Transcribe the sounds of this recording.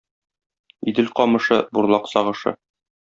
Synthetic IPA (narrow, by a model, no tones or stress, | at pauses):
id̪ɘlqɒmɤ̆ʃɤbuɾlˠɑqsɒʁɤ̆ʃɤ̰